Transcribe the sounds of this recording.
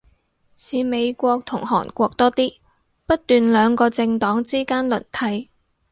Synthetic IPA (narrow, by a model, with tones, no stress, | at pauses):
sʰiː˨˧me˨˧jkʷɔː˧k̚t̪ʰʊ˨˩ŋhɔ̰ː˨˩nkʷɔː˧k̚t̪ɔː˥t̪iː˥ | pɐ˥t̚t̪yː˨nlœː˨˧ŋkɔː˧t͡sɪ˧ŋt̪ɔː˨˥ŋt͡siː˥kaː˥nlɵ̰˨˩nt̪ʰɐ˨˧j